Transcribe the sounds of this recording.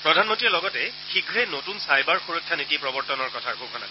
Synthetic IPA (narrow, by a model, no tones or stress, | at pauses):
pɹɔdʱanmɔntɹiɛlɔɡɔtɛ | xiɡʱɹɛnotunsajbaɹxuɹokʰːanitipɹɔbɔɹtɔnɔɹkɔtʰaɹkukʰɔna̰